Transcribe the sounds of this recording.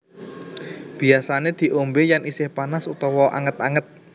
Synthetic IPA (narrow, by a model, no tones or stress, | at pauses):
b̥i̤asaned̪̥i̤ʔombejanisɪhpanasut̪ɔwɔʔa̰ŋət̪aŋət̪̚